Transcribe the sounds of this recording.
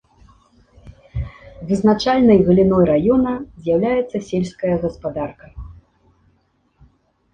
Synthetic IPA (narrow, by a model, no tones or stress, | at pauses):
vɨznat͡ʂalʲnɐjɣɨlʲinɔjɾajɔnɐzʲjawlʲajɛt̪sːɐsʲelʲskɐjɐɣɐspad̪arkɐ